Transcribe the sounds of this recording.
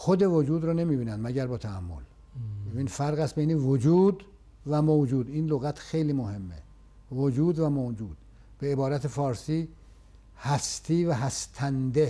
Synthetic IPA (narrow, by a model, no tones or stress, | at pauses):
xod̪e̞vod͡ʒuːd̪ɾɔne̞miːbiːnænd̪mæɟæɾbɒːt̪ʰæːmːo̰l | ebiːnfæɾɣæst̪bejnevod͡ʒuːd̪ | væmod͡ʒuːd̪iːnloɣæt̪ʰxe̞jliːmohe̞mːḛ | vod͡ʒuːd̪væmod͡ʒuːd̪̥ | b̥eebɒːɾæt̪ʰefɒːɾsiː | hæst̪ʰiːvæɦæst̪ʰænd̪e